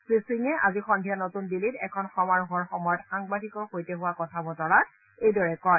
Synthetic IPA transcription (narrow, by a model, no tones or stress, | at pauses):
sɹisiŋɛʔa̰zixɔndʱijanotunbilitɛ̰kʰɔnxɔmaɹɦɔɹxɔmɔjɔtxaŋbadʱikɔɹxojtɛɦʊwakɔtʰabɔtɔɹa | ejdɔɹɛkɔj